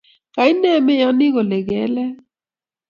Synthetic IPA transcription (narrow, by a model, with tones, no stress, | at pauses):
ka˨i˦nɛ˦˨me˦jɔ˦nɪ˦ɣo˨lɛ˨ɣɛ˨˦lɛ˦